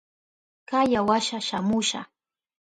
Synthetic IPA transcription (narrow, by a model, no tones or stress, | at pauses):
kajawaʃaʃamʊʃa̰